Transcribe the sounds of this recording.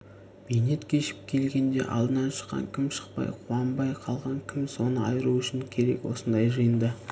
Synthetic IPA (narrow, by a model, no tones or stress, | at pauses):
b̥ejne̞t̪kʲʰe̞ʃɪp̚kʲʰe̞lɡʲe̞nd̪e̞̰ʔɑ̰lˠd̪ənɑnʃə̥qːɑ̰ŋkʲʰɪmʃə̥qpɑ̰jqʰuɑnbɑjqʰɑlˠʁɑŋkʲʰɪmso̞nəɑjɾuʏʃɪŋkʲʰe̞ɾe̞̰kwo̞sənd̪ɑjʒəjənd̪ə